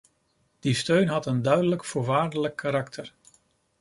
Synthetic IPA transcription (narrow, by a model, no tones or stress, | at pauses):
d̥istøɥnɦɑtəndœɥdələkfʊːɹʋaːɹdələkːaɾɑktʰəɹ